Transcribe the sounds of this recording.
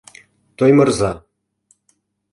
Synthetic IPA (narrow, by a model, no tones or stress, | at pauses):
t̪ojmɤ̆rzɑ